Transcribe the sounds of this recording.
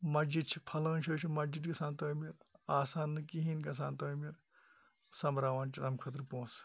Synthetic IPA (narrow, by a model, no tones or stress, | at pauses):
mɐd͡ʒid̪̚t͡ʃʰi̥pʰɐlɐ̃ːnt͡ʃʰoːt͡ʃʰimɐd͡ʒid̪kɐsãːnt̪oːmiɾaːsaːnːɨkiɦĩːnɡɐs̬aːnt̪ɐːimiɾ | sɐmɾaːʋaːnt͡ʃʰilɐmkʰɐt̪ɾpõːs